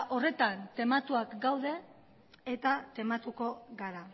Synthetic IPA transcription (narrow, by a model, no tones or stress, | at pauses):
ʔo̞re̞t̪ant̪e̞mat̪uakɡawðe̞ | et̪at̪e̞mat̪uko̞ɡaɾa